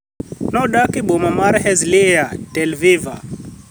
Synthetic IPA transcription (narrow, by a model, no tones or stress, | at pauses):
nɔɗakiɓɔmamaɾhɛzlijatɛlviva̰